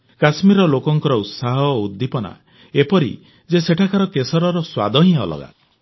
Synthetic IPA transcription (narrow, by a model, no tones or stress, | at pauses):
kasmiɾɔlokɔŋkɔɾɔut̪saɦɔud̪ːipɔna̰ | epɔɾḭ | d͡ʒeseʈʰakaɾɔkesɔɾɔɾɔswa̰d̪ʱɔɦĩɔ̰lɔ̰ɡa̰